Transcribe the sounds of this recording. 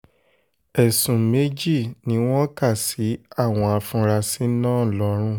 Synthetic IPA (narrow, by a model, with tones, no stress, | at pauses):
ɛ˨sũ˨me˨˦d͡ʒi˦˨nĩ˨˦w̃ɔ̃˦ka˦˨si˨˦a˦˨w̃ɔ̃˧a˧fũ˧ɾa˧si˨˦nãː˦˨lɔ˨˧˦ɾ̃ũ˦